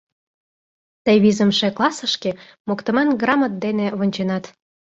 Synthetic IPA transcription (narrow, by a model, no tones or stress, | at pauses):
t̪əβizəmʃeklˠɑsəʃke | mokt̪əmɑnɡrɑmət̪̚d̪eneβonʲt͡ɕenɑt̪